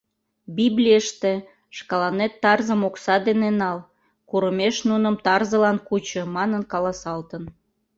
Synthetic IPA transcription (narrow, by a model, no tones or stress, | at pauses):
biblʲijəʃt̪e | ʃkɑlɑnet̪ːɑrzəmoksɑd̪enenɑl | kuɾəmeʃnunəmt̪ɑrzəlɑnkut͡ɕə̆mɑnənkɑlɑsɑlt̪ən